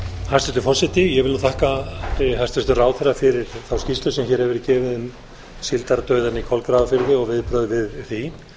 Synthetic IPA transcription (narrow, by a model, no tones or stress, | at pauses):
hast̪ɛst̪ɪfɔr̥sɛt̪ɪjɛɣɪluθʰahkat̪ɪɦajst̪ɪst̪ʏraːwθɛrːafɪɾɪɾ̥θawscist̪ʏsɛmçɛɾ̥hɛvɪɾcɛːvɪðʏm | silt̪aɾt̪œɥðanikʰɔlkɾaːvafɪɾðɪɔɣvɪðpɾœðvɪðθi